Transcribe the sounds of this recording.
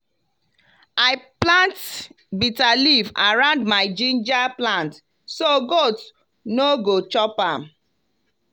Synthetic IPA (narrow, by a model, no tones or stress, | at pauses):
aɪplãnt | bitalivaɹãʊ̃ndmaɪd͡ʒĩnd͡ʒaplãnt | soɡot | noɡot͡ʃɔpãm